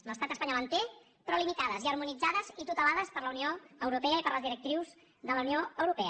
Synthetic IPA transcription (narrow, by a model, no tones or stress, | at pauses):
ləst̪at̪əspaɲalənt̪e | pɾɔlimit̪aðəziəɾmunid͡zaðəzit̪ut̪əlaðəspəɾləunioəwɾupɛəipəɾləzðiɾək̚t̪ɾiwz | ðələunioəwɾupɛə